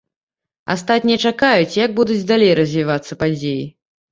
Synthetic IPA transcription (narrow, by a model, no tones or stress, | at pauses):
a̰st̪at̪ʲnʲijɐt͡ʂakajut͡sʲjɐɡ̚bud̪ud͡zʲd̪alʲejɾɐzʲvʲivat̪sːɐpad͡zʲeji